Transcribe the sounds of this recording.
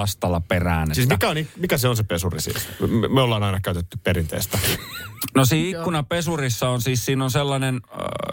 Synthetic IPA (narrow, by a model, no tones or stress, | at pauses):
ɑst̪ɑlːˑɑperæ̰ːnsiːsmikæonimikæseonsepesurisḭːmeolːɑːnɑinɑkæyt̪et̪ːypperint̪ḛːst̪æ | nosiːikːunɑpesurisːɑonsiːssiːnonselːɑnen